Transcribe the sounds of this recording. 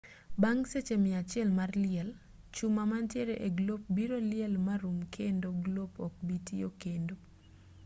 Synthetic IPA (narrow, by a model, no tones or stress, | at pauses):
baŋset͡ʃemɪat͡ʃɪɛlmarlɪɛl | t͡ʃumamantjeɾeʔeɡlop̚biɾolɪɛlmaɾumkʰendoɡlopɔk̚bitiokendo